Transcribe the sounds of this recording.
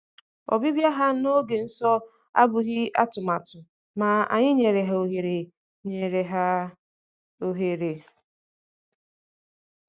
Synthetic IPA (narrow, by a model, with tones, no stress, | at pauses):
ɔ̰˨bi˦bja˦ɦa˦no˦ɡe˨n̩˦sɔ˦ | a̰˦bʊ˨ɣɪ˦a̰˦tʊ˨ma˨tʊ˨ | ma˨a̰˨ɲɪ˦ɲe˨ɾe˨ɦa˨o˨ɦe˨ɾe˨ | ɲe˨ɾe˨ɦa˦ | o˨ɦe˨ɾe˨